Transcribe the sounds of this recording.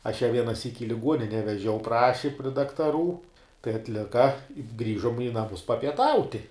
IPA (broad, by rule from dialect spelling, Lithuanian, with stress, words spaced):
ɐʃ jɛ ʋʲiɛnɐˈsʲiːk ɪ lʲɪˈɡuɔnʲɪnʲɛ ʋʲɛˈʒʲɛʊ ˈprɑːʃʲɪ pʲrʲɪ dɐktɐˈruː tɐɪ ɐtʲˈlʲɪkɐ ˈɡrʲiːʒoːm ɪ nɐˈmʊs pɐpʲiɛˈtɐʊtʲɪ